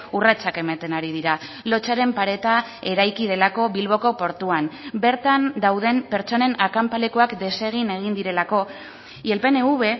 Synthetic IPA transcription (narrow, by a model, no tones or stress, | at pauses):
urat͡sake̞mat̪e̞naɾið̞iɾa | lo̞t͡ʃaɾe̞mpaɾe̞t̪a | e̞ɾajkið̞e̞lako̞βilβo̞ko̞po̞ɾt̪uanbe̞ɾt̪and̪awð̞e̞mpe̞ɾt͡ʃo̞ne̞nakampale̞koakd̪e̞se̞ɣ̞ine̞ɣ̞ind̪iɾe̞lako̞ | ielpe̞ne̞uβe̞